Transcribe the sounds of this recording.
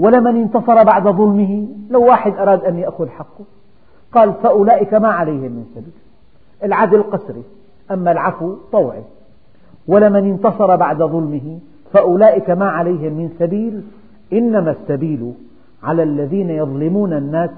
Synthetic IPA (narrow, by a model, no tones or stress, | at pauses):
walamanɪnt̪ɑsˤɑɾˤɑbaʕd̪aðˤʊlmɪɦilawːaːħɪd̪ʔɑɾˤɑːd̪ʔanjaʔxʊðħaqːʊ | qɑːlfaʔʊlaːʔɪkamaʕalajhɪmːɪnsabiːl | ʔɪlʕad̪lɪlqɑsɾi | ʔamːalʕafwt̪ˤɑwʕḭ | walːamanɪnt̪ɑsˤɑɾˤɑbaʕd̪aðˤʊlmɪɦɪ | faʔʊlaːʔɪkamaʕalajɦɪmːɪnsabiːl | ʔɪnːamasːabiːlu | ʕalalːaðiːnajɑðˤlɪmuːnanːaːs